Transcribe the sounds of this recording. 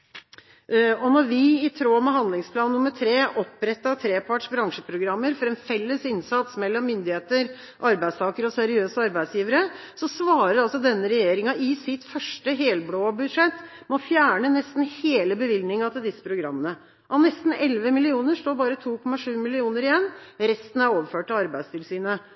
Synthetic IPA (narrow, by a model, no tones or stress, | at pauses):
ɔnɔɾʋɪɪt̪ʰɾoːmɛɦɑnd̪lɪŋspʰlɑːnːʊməʈ̪ʰɾeːʔɔpːɾɛt̪ːɑt̪ʰɾeːpʰɑʈʂbɾɑŋʂəpʰɾʊɡɾɑmːəɾfɔɾɛnfɛlːəsɪnsɑt̪smɛlːɔmːʏnd̪ɪheːt̪əɾ | ʔɑɾbæɪst̪ʰɑːkəɾɔsæɾɪøːsəɑɾbæɪsjiːʋəɾə | sɔsʋɑːɾəɾɑlsɔd̪ɛnːəɾɛjeːɾɪŋɑʔɪsɪt̪fœʂʈəɦeːlbloːbʉd̪ʂɛt̪ː | mɔfjæːɳənɛst̪n̩heːləbəʋɪlnɪŋɑt̪ɪld̪ɪsːə̥pʰɾʊɡɾɑmːənə | ʔɑʋnɛst̪n̩ɛlʋəmɪlɪuːnəʂloːbɑːɾət̪ʰuːkʰɔmːɑʂʉːmɪlɪuːnəɾɪjɛnːɾɛst̪n̩æɾoːʋəɾføːʈɑʋɑɾbæɪd̪st̪ʰɪlsyːnə